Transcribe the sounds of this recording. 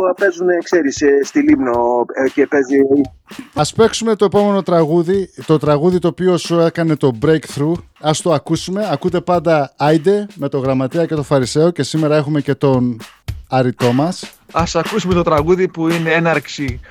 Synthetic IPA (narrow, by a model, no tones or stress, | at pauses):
ɐpe̞zunekse̞ɾisest̪ilimnocepe̞zioi | ɐspe̞ksume̞t̪oe̞po̞me̞no̞t̪ɾɐɣuðit̪o̞t̪ɾɐɣuðit̪o̞ːpio̞sue̞kɐne̞t̪o̞bɾejkθɾu | ɐst̪o̞ɐkusume̞ɐkut̪e̞pɐnd̪ɐɐjd̪e̞me̞t̪o̞ɣɾɐmɐt̪eɐce̞t̪o̞fɐɾise̞o̞ce̞sime̞ɾɐe̞xume̞ce̞t̪o̞nɐɾit̪o̞mɐsɐsɐkusume̞t̪o̞t̪ɾɐɣuðipuineenɐɾksi